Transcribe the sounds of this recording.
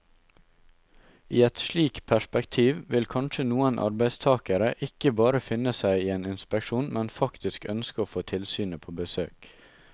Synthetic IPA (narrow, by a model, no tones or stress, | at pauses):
iːɛt̪ʃɭiːkpʰæʃpɛkt̪ʰiːʋʋɪlkʰɑnʃənuːənʔɑ̰ɾbæɪst̪ʰɑːkəɾəʔɪkəbɑːɾəfɪnəsæɪiːeːnɪnspɛkʃuːnmʔɛnfɑkt̪ɪskœnskəoːfoːt̪ʰɪlsyːnəpʰoːbəsøːk